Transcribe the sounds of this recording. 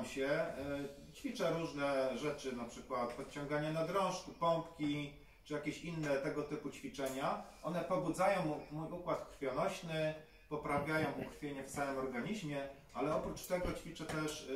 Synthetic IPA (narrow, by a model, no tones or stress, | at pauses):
mɕɛ | t͡ɕfʲit͡ʂɛɾuʐnɛʐɛt͡ʂɘnapʂɘkwat̪pɔt̪t͡ɕɔ̃ŋɡaɲanad̪ɾɔ̃w̃ʂkupɔmpkʲi | t͡ʂɘjakʲeɕinːɛt̪ɛɡɔt̪ɘput͡ɕfʲit͡ʂɛɲaʔɔn̪ɛpɔbud̪zajɔ̃w̃mujukwat̪kɾfʲjɔnɔɕnɘ | pɔpɾavʲjajɔ̃w̃ukɾfʲjeɲɛft̪samɘmɔɾɡaɲiʑmʲjɛ | ʔalɛɔpɾut͡ʂt̪ɛɡɔt͡ɕfʲit͡ʂɛt̪ɛʂ